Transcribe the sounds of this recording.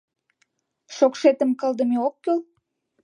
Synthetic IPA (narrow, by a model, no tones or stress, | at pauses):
ʃokʃet̪ə̆mkəld̪ə̆meokːøl